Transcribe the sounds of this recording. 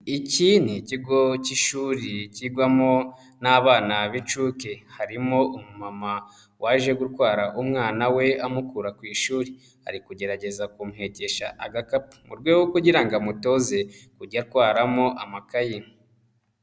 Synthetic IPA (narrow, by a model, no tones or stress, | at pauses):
iciniciɡo̞ciʃuːɾiciɡwamo | naβaːnaβit͡ʃuːke̞haɾimo̞ʔumumama | wʔaʒe̞ɡuɾwaːɾaʔumŋaːnawe̞amukuːɾakwiːʃuːɾi | ha̰ɾikuɟe̞ɾaɟe̞zakumuhe̞ce̞ʃa̰ʔaɡakapu̥mṵɾɡweɡwokuɟiɾaŋɡamuto̞ze̞kuɟaɾkwaːɾamo̞ʔamakaji